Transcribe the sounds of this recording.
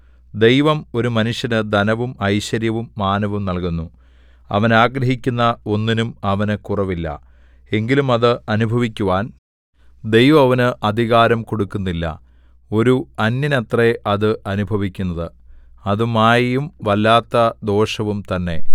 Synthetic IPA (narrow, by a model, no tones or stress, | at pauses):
d̪e̞jʋɐmo̞ɾumɐnuʂjɐnɨd̪ɐnɐʋumɐjɕɐɾjɐʋumːaːnɐʋumnɐlkunːu | ɐ̰ʋɐnaːɡɾɐɦikʲːunːɐo̞nːinumɐʋɐnɨkurɐʋilːɐ̰ | e̞ŋɡilumɐðɨɐnubʱɐʋikʲːuʋaːn | d̪e̞jʋɐmɐʋɐnɨʔɐd̪ʱiɣaːɾɐmko̞ɽukːunːilːɐ̰ | o̞ɾuɐnjinɐt̪reʔɐðɨʔɐnubʱɐʋikʲːunːɐðɨ | ɐðumaːjijumʋɐlːaːt̪ːɐd̪o̞ːʂɐʋumt̪ɐnːe̞̰